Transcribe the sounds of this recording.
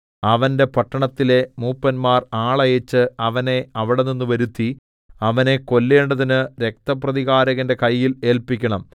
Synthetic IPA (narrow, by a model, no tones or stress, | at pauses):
ɐʋɐnde̞pɐʈːɐɳɐt̪ːile̞muːpːɐnmaːraːɭɐjet͡ɕːɨɐʋɐne̞ɐʋiɽeninːɨʋɐɾut̪ːi | ɐʋɐne̞ko̞lːe̞ːɳɖɐðinɨɾe̞k̚t̪ɐp̬rɐðiɣaːɾɐɣɐnde̞kɐjːile̞ːlpikʲːɐɳɐm